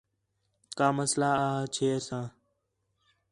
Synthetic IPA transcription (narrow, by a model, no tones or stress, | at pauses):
kaːməslaːaːɦt͡ʃʰeːsãː